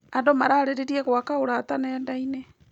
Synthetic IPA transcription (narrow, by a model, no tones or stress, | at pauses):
andomaɾaːɾeɾeɾiɛɣwakaoɾat̪anɛːndaine